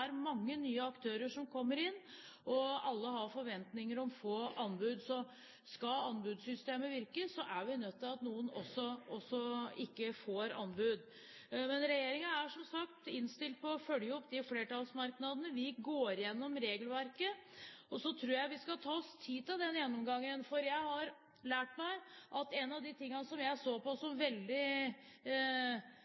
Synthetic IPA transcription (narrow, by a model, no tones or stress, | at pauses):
æɾmɑŋːənyːəɑkt̪ʰøːɾəʂɔmkʰɔmːəɾɪnː | ɔɑlːəɦɑfɔɾʋɛnt̪nɪŋəɾɔmfoːɑnbʉd̪sɔ | skɑɑnbʉːd̪sʏst̪eːməʋɪɾkəsɔʔæɾʋɪnœt̪ʰːɪlɑt̪nuːənɔsːɔɔsːɔɪkːəfoːɾɑ̰nbʉd̪ | mɛnɾɛjeːɾɪŋɑæʂɔmsɑkt̪ɪnst̪ɪlt̪̚pʰɔːfœljəɔpːd̪ɪfleːʈɑlsmɑɾknɑd̪ənəʋɪɡoːɾjɛnːɔmɾeːɡəlʋæɾkəɔsɔt̪ʰɾuːjæɪʋɪskɑt̪ʰɑːɔst̪ʰiːt̪ɪld̪ɛnjɛnːɔmɡɑŋːənfɔɾjæɪhɑɾ | læːʈmæɪʔɑt̪ɛnɑʋd̪ɪt̪ʰɪŋːɑnəsɔmjæɪsoːpɔsɔmʋɛld̪ɪ